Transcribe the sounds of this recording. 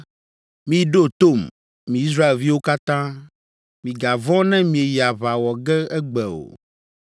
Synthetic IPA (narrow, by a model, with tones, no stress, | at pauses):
mĩ˨ɖo˦t̪o˦˨m | mĩ˨i˦s̬ɾa˦e˨lvi˦wo˦ka˦t̪ã˦ | mĩ˨ɡa˨vɔ̃˦nɛ̃˦mĩ˨e˨ja˨βa˨wɔ˨ɡɛ˦ɛ˦ɡ͡bɛ˨o̰˨